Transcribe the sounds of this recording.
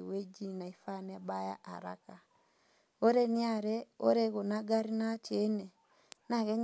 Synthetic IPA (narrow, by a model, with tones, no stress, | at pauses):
we˦d͡ʒi˦na˨i˦fa˦n˦a˦ba˦ja̰˦ʔa̰˨ɾa̰˦ka˨ | o˦ɾe˦ni˦a˦˨ɾɛ˦o˦ɾe˦ɣo˨na˦ɡa˦ɾi˦na˦t͡ʃe˦nɛ˨ | na˨ɣɛ˦ɲ